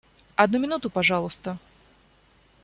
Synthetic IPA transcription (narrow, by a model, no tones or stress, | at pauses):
ɐd̪̚numʲɪnut̪ʊpɐʐɑlˠəst̪ə